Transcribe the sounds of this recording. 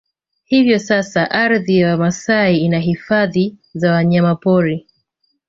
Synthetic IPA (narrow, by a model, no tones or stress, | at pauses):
hivjɔsasaʔaɾðijawamasaiinaɦifaðizawaɲamapɔɾi